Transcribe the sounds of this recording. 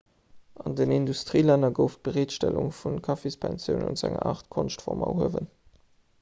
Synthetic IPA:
ʔɑndənindustʁiːlænɐɡəʊft̚b̥əʁeːtʃtæluŋfunkʰɑfispʰænsjəʊnṵnz̥æŋɐ̰ʔaːχtkʰonʃtfɔʁmɑ̰huəvən

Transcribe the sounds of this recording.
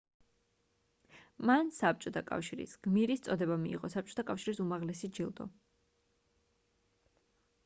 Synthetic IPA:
mansap̚t͡ʃʼɔt̪ʰakʼa̰fʃiɾḭsɡ̥miɾist̪sʼɔd̪ɛbamḭːʁɔsap̚t͡ʃʼɔ̥t̪ʰakʼafʃiɾisumaʁlɛsid͡ʒilˠd̪ɔ̰

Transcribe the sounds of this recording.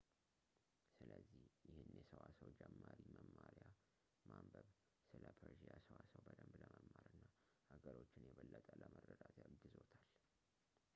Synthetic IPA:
sɨləzːihjɪhɨnjɛsəwasəwd͡ʒɛmːaɾiməmːaɾja | mambəβ | sɨləpʰəɾʒijasəwasəwbəd̪əmbləməmːaɾɨnːa | həɡəɾo̞t͡ʃːɪnjɛβəlːət̪ʼələmərəd̪at̪ʰɡɨzo̞t̪ʰal

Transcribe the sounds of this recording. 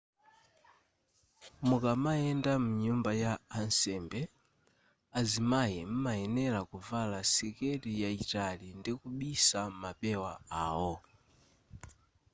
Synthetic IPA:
mukamaɛndamuɲumbajaːnsɛmbɛ | azimajɛm̩maɛnɛɾakuvalasikɛɾijaitalindikuɓisamapɛwaa̰ːwɔ

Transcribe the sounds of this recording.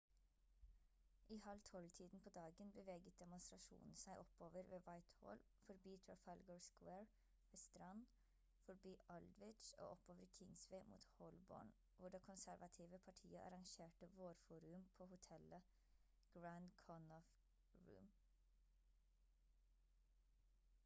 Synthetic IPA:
ʔiːhɑlt̪ʰɔlt̪ʰiːd̪n̩pʰoːd̪ɑːɡənbəʋeːɡət̪̚d̪ɛmʊnst̪ɾɑʃṵːnn̩sæɪʔɔpoːʋəɾʋeːʋɑɪt̪ho̰ːl | fɔɾbyːt̪ʰɹɔfɑlɡəɹskweːɹ | ʋeːst̪ɾɑn | fɔɾbyːʔɑld̪ʋɪt͡ʃo̰ːʔɔpoːʋəɾkʰɪŋsʋeɪmṵːt̪hɔlbo̰ːɳ | ʋʊɖeːkʰʊnsæɾʋʔɑt̪ʰiːʋəpʰɑʈʰḭːəʔɑ̰ɾɑŋʃeːʈəʋoːɾfuːɾʉmpʰoːhʊt̪ʰɛlə | ɡ̥ɹænd̪kʰɔnɔf | ɹʉ̰ːm

